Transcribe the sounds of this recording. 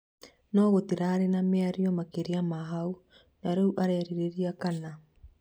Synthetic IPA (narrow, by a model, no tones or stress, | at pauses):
nɔɣotiɾaɾenameaɾiɔmakeɾeamaɦau | naɾeuʔaɾɛɾiɾeɾiakana